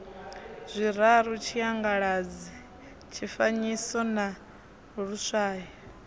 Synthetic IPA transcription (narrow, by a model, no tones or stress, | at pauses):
zʷiɾaɾut͡ʃʰiaŋɡaɺad͡zi | t͡ʃʰifaɲisɔna | ɺusʷaːjɔ